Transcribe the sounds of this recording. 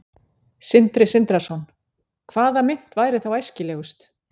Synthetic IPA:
sɪnt̪ɾɪsɪnt̪ɾasɔn | kʰv̥aːðamɪn̥t̪vaːjɾɪθawajscɪlɛːɣʏst̪

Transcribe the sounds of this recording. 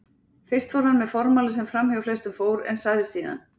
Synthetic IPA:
fɪr̥t̪fowɾ̥hanːmɛðfɔɾmaːlɪsɛmfɾamhœɣʏflɛst̪ʏmfoːwɾɛ̰nsaːjðɪsiːða̰n

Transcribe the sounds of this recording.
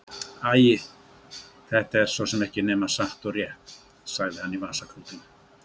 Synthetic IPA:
aːjɪ | θɛht̪aɛɾ̥sosɛmɛhcɪnɛːmasaht̪ɔɾjɛht̪ | saɣðɪhanːivaːsakʰɾuːt̪ɪn

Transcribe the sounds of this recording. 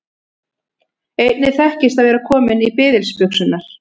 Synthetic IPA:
eːjt̪nɪθɛhcɪst̪aðvɛːɾakʰɔːmɪnipɪːðɪlspʏksʏnːaɾ̥

